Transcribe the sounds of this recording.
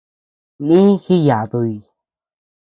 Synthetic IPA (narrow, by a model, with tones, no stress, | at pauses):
nĩ˦xi˦ja˨t̪u˧i˧˨